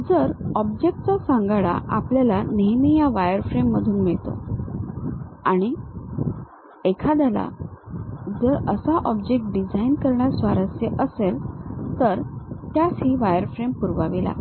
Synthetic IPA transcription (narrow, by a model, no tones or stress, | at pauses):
d͡zəɾɔbd͡ʑek̚ʈ̚t͡sasãŋɡaɽa̰ʔapljalaneɦmijaʋajəɾfɾemːəd̪ʱuːnmiɭt̪o̰ | aɽ̃i | ekʰad̪ala̰ | d͡zəɾəsaʔɔbd͡ʑek̚ʈ̚ɖid͡zainkəɾɳjasʋaɾəsjeʔəselt̪əɾt̪jasɦiːʋajəɾfɾempuɾʋaʋila̰